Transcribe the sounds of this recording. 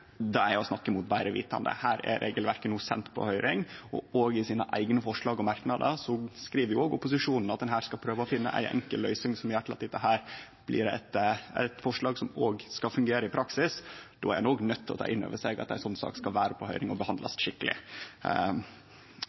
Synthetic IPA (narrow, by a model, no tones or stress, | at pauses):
d̪ɛææɔsnɑkːəmʊt̪̚bæɪɾəʋḭːt̪ɑ̰nd̪ə̰hæːɾɛ̰ɾʔḛːɡəlʋæɾkənuːsɛ̰nt̪pʰɔ̰hœʏɾɪŋɔ̰oːɡɪsiːnə̰ʔæɪɡənəfɔʂɭɑːɡɔmɑɾknɑd̪ə̰sɔskɾiːʋəɾjʊoːɡʊpʊsɪʂuːnn̩ɑt̪̚d̪ɛnɦæːɾskɑlpʰɾøːʋəɔfɪnːə̰ʔæ̰ɪʔɛ̰ŋkəlːœʏsɪŋsɔmjæʈlɑt̪ːɪt̪ːəɦæːɾ | b̥lɪ̰ɾɛt̪æ̰t̪fɔʂɭɑːɡsɔmoːɡskɑfʉŋɡeːɾəɪpʰɾɑksɪsd̪o̰ːæɾæɪnoːɡnœt̪ʰːɪlɔ̰t̪ʰɑ̰ːʔɪnːø̰ːʋəʂeɡɑ̰t̪̚æɪnsɔnːsɑ̰ːkskɑʋæːɾəpʰɔhœʏɾɪŋɔbəhɑnd̪lɑ̰sʂɪkːəlɪ̰